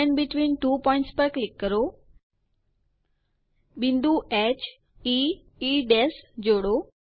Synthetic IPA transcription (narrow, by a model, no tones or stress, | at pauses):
ɛnɖbɪʈʋĩːnʈuːpɔ̃ɪ̃ɳʈspəɾklɪkːəɾo | bĩnd̪uʔɛt͡ʃ | i | iɖesd͡ʑoːɽo